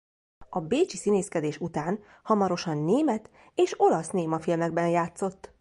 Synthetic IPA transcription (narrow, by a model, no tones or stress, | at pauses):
ɒbeːt͡ʃisineːskɛd̪eːʃut̪aːn | hɒmɒɾo̞ʃɒnːeːmɛt̪ | eːʃo̞lɒsneːmɒfilmɛɡbɛnjaːt̪so̞t̪ː